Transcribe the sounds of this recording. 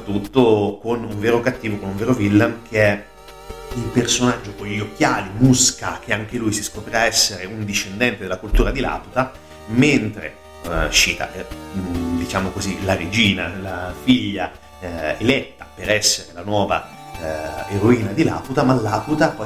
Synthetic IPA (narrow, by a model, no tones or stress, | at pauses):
t̪ːut̪ːokonuɱveːɾokat̪ːiːvokonuɱveːɾovilːamkʰeɛ | ilpersonad͡ʒːokoʎːok̟ʲːjaːlimuskak̟eaŋk̟elujsiskopɾiaɛsːeɾeund̪iʃːend̪ɛnt̪ed̪elakult̪uːɾad̪ila̰ːput̪a | ment̪ɾḛ | ʃiːt̪a̰ʔɛ | d̪it͡ʃaːmokozilaɾed͡ʒiːnalafiʎːa | elɛt̪ːapeɾɛsːeɾelanwɔːva̰ | eɾoiːnad̪ila̰ːput̪amalːaːput̪apɔ